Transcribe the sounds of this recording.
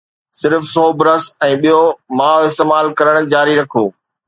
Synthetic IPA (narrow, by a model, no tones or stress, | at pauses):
sɪɾfsɔːbɪɾəsɛ̃ːɓijomaːɦoɪst̪eːmaːlkɐɾəɽ̃d͡ʑaːɾiɾɐkʰoː